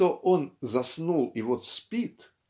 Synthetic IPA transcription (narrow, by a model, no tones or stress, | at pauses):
oʔonzɐsnulˠɪvot̪sʲpʲit̪